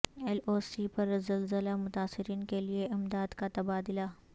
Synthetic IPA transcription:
ɛloːsipɐɾzɐlzəlamʊt̪aːsɪɾiːnkelieʔɪmd̪aːd̪kat̪ɐbaːd̪ɪlaː

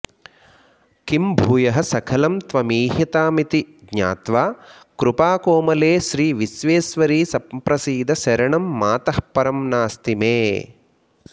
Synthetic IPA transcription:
kimbʱuːjɐɦɐ̆sɐkʰɐlɐmt̪ʋɐmiːɦjɐt̪aːmit̪iɡɲa̰ːt̪ʋaːkɾupaːkoːmɐleːʃɾiːʋisʋeːsʋɐɾiːsɐppɾɐsiːd̪ɐʃɐɾɐɳɐmːaːt̪ɐhpɐɾɐmnaːst̪imeː

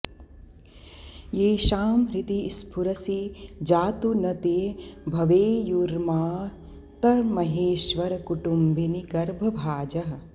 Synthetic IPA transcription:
jeːʃaːmɾit̪ispʰuɾɐsid͡ʒaːt̪unɐt̪eːbʱɐʋeːjuɾmaː | t̪ɐɾmɐɦeːʃʋɐɾɐkuʈumbʱiniɡɐɾbʱɐbʱaːd͡ʒɐɦɐ̆

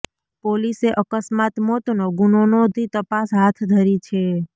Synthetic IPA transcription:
poliseʔəkəsmat̪mot̪noɡunonod̪ʱit̪əpasɦat̪ʰd̪ʱəɾit͡ʃʰe

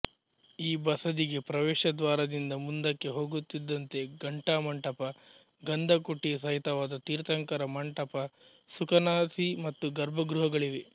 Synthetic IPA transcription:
iːbɐsɐd̪iɡe̞pɾɐʋɛːʃɐd̪ʋaːɾɐd̪ind̪ɐmund̪ɐkːe̞ɦo̞ːɡut̪ːid̪ːɐnt̪e̞ɡɐɳʈaːmɐɳʈɐpɐ | ɡɐnd̪ʱɐkoʈːijɐs̬ɐɦit̪ɐʋaːd̪ɐt̪iːɾt̪ɐŋkɐɾɐmɐɳʈɐpɐ | sukɐnaːsimɐt̪ːuɡɐɾbʱɐɡɾuɦɐɡɐɭiʋe

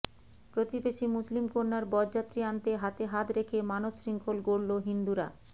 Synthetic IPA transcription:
pɾot̪ibeʃimuslimkoɾnaɾbɔd͡ʑat̪ːɾiant̪eɦat̪eɦat̪ɾekʰemanobʃɾiŋkʰolɡoɽloɦind̪uɾa̰

